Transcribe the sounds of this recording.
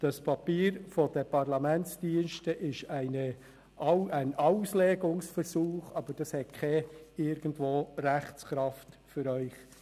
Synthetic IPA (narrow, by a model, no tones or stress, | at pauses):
d̥ɑspʰɑpiːɾfod̥əpʰɑʁlɑmɛnt͡sd̥iənʃtəʔɪʃæɪnə | æɪnaʊsleːɡʊŋsfərsuːχɑb̥əɾd̥ɑshɛt̚kʰɛɪɾɡ̥əndvoːræχt͡skɾɑft | fʏɾœʏχ